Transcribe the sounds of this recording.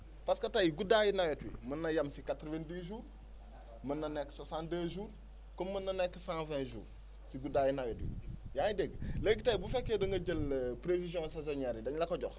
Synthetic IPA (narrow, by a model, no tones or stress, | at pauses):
paskɐtajiɡudajinajotwḭmənːɐjamsikatɾovẽndiʒuːɾ | mənːɐnɛkːsosãndəʒuːɾ | komːənːɐnɛkːsãvɛ̃ʒṵːɾ | siɡudajinajotwḭjãjideɡlekitajbufɛkːedɐŋɡɐɟəlpɾevizjõsezonɛɾidɐɲlɐkoɟox